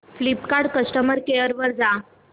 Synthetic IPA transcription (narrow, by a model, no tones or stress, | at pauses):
flipkaɽkəsʈəməɾkejəɾʋəɾd͡za